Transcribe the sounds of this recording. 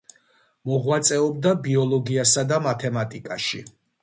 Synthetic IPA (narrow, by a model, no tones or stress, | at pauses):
mɔʁwat̪sʼɛɔb̚d̪abiɔlˠɔɡiasad̪amat̪ʰɛmat̪ʼikʼaʃḭ